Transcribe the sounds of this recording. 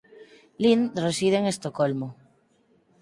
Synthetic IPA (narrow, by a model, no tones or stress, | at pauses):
linresiðeeŋest̪okolmo